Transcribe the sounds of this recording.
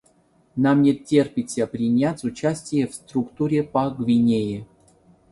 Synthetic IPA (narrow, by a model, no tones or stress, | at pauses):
namnʲetʲːerpʲɪsʲəpɾʲinʲat͡sʲʊt͡ɕasʲtʲɪjəfst̪ɾukt̪uɾʲepɐɡvʲinʲeje